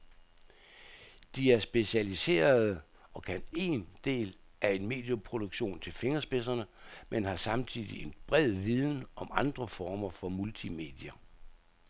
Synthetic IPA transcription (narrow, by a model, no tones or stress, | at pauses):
d̥iæɐsb̥e̝ɕælise̝̰ːɐð̩ˠ | ɒ̽kʰæne̝̰ːnd̥e̝̰ːl | ʔæe̝nme̝̰ːd̥jopʰʁo̝d̥oɡ̥ɕo̝̰ːnt͡sʰe̝lfe̝ŋɐsb̥e̝s̬ɐnəmenhɑ̈sɑ̈mt͡sʰið̰ˠie̝nb̥ʁɛð̰ˠʋiðˠn̩ʔɒ̽mɑ̈nd̥ʁɐfɒːmɐfɒ̽mult͡sʰime̝̰ːd̥iɐ